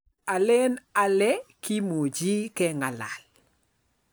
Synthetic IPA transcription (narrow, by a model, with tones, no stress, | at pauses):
a˨le˦na˨lɛ˦ki˦mo˨d͡ʒi˦kɛ˦ŋa˨la˨l